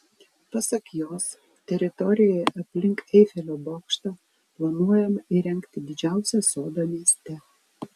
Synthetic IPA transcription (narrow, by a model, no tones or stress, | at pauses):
pɐsɐkjoːs | t̪ʲɛɾʲɪt̪ɔɾʲɪjojʔɐpʲlʲɪŋkɛɪfʲɛlʲoːboːkʃt̪ɑ | plˠɐnuɔjɛmɐiɾʲɛŋʲkt̪ʲɪd̪ʲɪd͡ʒʲæˑʊsʲɛsoːd̪ɐmʲiɛsʲt̪ʲɛ